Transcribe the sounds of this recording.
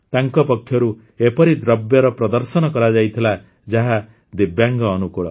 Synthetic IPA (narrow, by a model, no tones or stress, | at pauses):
t̪aŋkɔpɔkʰːjɔɾu | epɔɾid̪ɾɔbjɔɾɔpɾɔd̪ɔɾsɔnɔkɔɾad͡ʒajt̪ʰila | d͡ʒaɦa | d̪ibjaŋɡɔːnukuɭɔ̰